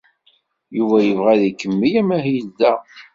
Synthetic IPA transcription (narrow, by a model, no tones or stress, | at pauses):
juvæjəvʁæðikːəmːijæmæɦijlðæ